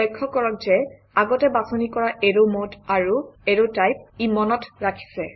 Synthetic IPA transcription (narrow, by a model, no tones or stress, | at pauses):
ɔjkʰːɔkɔɹɔk̚zɛ | aɡɔtɛbasɔnikɔɹaʔeɹomodaɹueɹotajp̚imɔnɔtɹakʰi̥sɛ